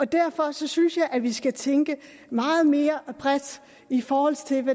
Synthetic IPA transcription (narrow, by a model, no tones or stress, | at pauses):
ɒ̽d̥æɐfɒ̽sɒ̽synsjɑ̈ɪʔæʋisɡ̥æt͡sʰeŋɡ̥ə | mɑ̈ːð̩ˠme̝ːɐb̥ʁɛd̥ | ifɒːhɒ̽l̰t͡sʰe̝lʋæ